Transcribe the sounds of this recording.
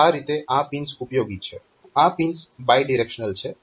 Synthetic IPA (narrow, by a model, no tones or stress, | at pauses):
aɾit̪eʔãpinsupjoɡit͡ʃʰɛ | ãpinsbajɖiɾekʃənəlt͡ʃʰɛ